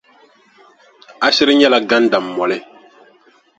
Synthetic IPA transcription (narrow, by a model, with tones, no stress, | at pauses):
a˦ʃɪ˦ɾɨ˦ɲɛ˦la˨ɡa˦n˦da˨m̩ː˨ɔ˨lɪ˦